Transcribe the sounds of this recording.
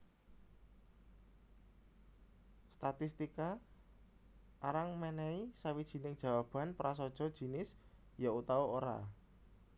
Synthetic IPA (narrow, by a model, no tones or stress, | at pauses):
st̪at̪ist̪ika | aɾaŋmɛnɛisawid̥ʒ̥i̤nɪŋd̥ʒ̥a̤wab̥a̤npəɾas̬ɔd̥ʒ̥ɔ̤d̥ʒ̥i̤nɪs | jaut̪aooɾa̰